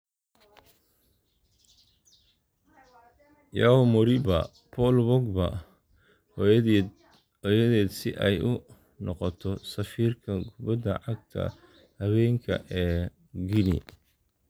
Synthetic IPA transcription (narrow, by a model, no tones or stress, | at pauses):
jaɔmʊɾibɐ | pʰɔlbɔɡbɐ̰ | ɔjɐðɛːd̪sɪʔɛjʔʊ | nɔqɔt̪ʰɔsɐfiːrkʰɐɡʊβɐd̪ɐʕɑɡ̚t̪ʰɐ̰ | hɐβɛːŋkʰɐ̰ʔɛː | ɡinḭ